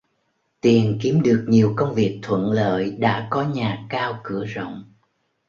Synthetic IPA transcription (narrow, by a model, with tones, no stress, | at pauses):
t̪i˨˩ənki˨˦əmɗɨ˨˩ək̚ɲi˨˩əwkə˧wŋ͡mvi˨˩ək̚t̪ʰwə̰˧˨nlə̰ː˧˨jɗa̰ː˧˥kɔ˨˦ɲaː˨˩kaː˧wkɨ˧˩əzo̰˧˨wŋ͡m